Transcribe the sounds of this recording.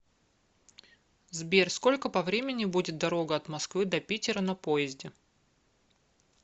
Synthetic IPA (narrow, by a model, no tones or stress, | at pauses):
zbʲerʲskolʲkəpɐvɾʲemʲɪnʲɪbudʲɪt̪̚d̪ɐɾo̞ɡəɐt̪mɐskvɨd̪ɐpʲitʲɪɾənɐpo̞jɪzʲdʲɪ